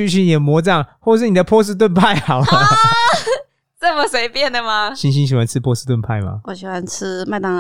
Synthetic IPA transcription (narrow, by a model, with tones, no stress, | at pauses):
y˥˧ɕʰi˥njɛ˨˩mwɔ˧˥t͡sŋxwɔ˥˧ʂ̬ɻ̩˥˩ni˨d̪ə˦pʰwɔ˥s̬ɹ̩˥˧t̪̬wə˥˧npʰa˥˩ɪxa˨˩˦ | t͡sə˥˩mə˨swe˧˥ɪpjɛ˥˨nd̪ə˩ma˨ɕi˧˥ŋɕi˧˦nɕi˨˩wa˧˦nt͡sʰɻ̩˥˧pʰwɔ˥sɹ̩˥˧t̪wə˥˧npʰa˥˩ɪma̰˨˩wɔ˨˩ɕi˨˩xwa˧˦nt͡s̩ʰ˥ma˥˧ɪt̪ɑ˥˧ŋ